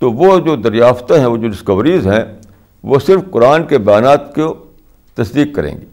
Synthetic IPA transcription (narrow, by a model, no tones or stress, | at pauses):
t̪oʋod͡ʒoːd̪ɐɾjaːft̪ɦɛ̃ʋoːd͡ʒoːɖɪskɐʋɾizɦɛ̃ | ʋoːsɪɾfkʊɾaːnkebɐjaːnaːt̪ke | t̪ɐsd̪iːkːɐɾḛ̃ːŋɡeː